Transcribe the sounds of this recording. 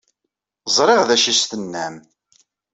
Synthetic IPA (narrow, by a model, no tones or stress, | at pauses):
zˤɾˤɪʁðæʃist̪ənːæm